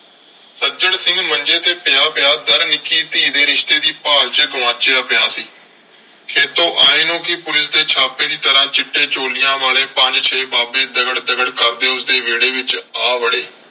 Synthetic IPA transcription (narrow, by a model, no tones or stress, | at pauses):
səd͡ʒəɽsɪ̃ŋɡmənd͡ʒeːt̪eːpɪjaːpɪjaːd̪əɾnɪkːiːt̪iːd̪eːɾɪʃt̪eːd̪iːpaːlt͡ʃəɡʊʋãːt͡ʃeaːpɪjaːsiː | kʰeːt̪õːʔaːeːnõːkɪpʊlɪsd̪eːt͡ʃʰaːpeːd̪iːt̪əɾãːt͡ʃɪʈːeːt͡ʃoːlɪjãːʋaːleːpəɲd͡ʒt͡ʃʰeːbaːbeːd̪əɡəɽd̪əɡəɽkəɾd̪eːʊsd̪eːʋeːɽeːʋɪt͡ʃaːʋəɽeː